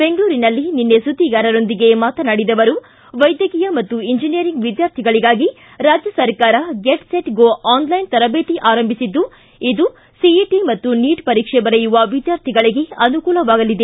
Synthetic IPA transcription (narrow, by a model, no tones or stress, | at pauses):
be̞ŋɡɭuːɾinɐlːininːesut̪iɡaːɾɐɾo̞nd̪iɡe̞maːt̪ɐnɐɽid̪ɐʋɐɾu | ʋɐjd̪jɐkiːjɐmɐt̪ːuiɲd͡ʒinijɐɾiŋɡʋid̪jaːɾt̪ʰiɡɐɭiɡaːɡi | ɾaːd͡ʒjɐsɐɾkaːɾɐɡeʈseʈɡoːʔaːnlɐjnt̪ɐɾɐbeːt̪iʔaːɾɐmbʱisid̪ːu | id̪u | siiʈimɐt̪ːuniːʈpɐɾiːkʂɛbɐɾejuʋɐʋid̪jaːɾt̪ʰiɡɐɭiɡe̞ɐnukuːlɐʋaːɡɐlid̪e̞